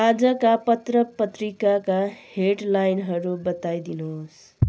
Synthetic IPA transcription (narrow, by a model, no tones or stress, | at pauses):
ad͡zʌkapʌt̪rʌpʌt̪ɾikakaheʈlajnɦʌɾubʌt̪ajd̪inos